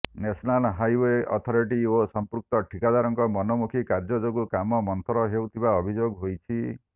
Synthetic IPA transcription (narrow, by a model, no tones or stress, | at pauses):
nesɔnalɦajweɔ̰t̪ʰɔɾiʈiosɔmpɾuk̚t̪ɔʈʰikad̪aɾɔŋkɔmɔnɔmukʰikaɾd͡ʒɔd͡ʒoɡukamɔmɔnt̪ʰɔɾɔɦewt̪ʰibaɔbʱid͡ʒoɡɦojt͡ʃʰi